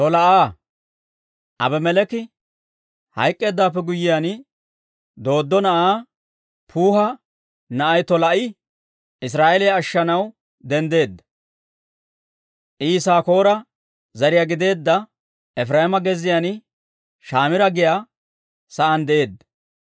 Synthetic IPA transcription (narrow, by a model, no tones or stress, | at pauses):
t̪ɔlɐʔaː | ʔɐ̰bɛmɛlɛkɪ | hɐ̰jkʼːe̞ːd̪ːaːpːɛɡʊjːɪjaːn | d̪o̞ːd̪ːɔnɐʔaː | pʰuːhɐ | nɐʔɐjt̪ɔlɐʔɪ | ɪs̬ɾaːʔɛlɪjaːʃːɐnɐw | d̪ɛnd̪e̞ːd̪ːɐ̥ | ʔiːsaːko̞ːɾɐ | zɐɾɪjaɡɪd̪e̞ːd̪ːɐ | ɛfɾaːhɪmɐɡɛzɪjan | ʃaːmɪɾɐɡɪjaː | sɐʔɐnd̪ɛʔe̞ːd̪ːɐ̥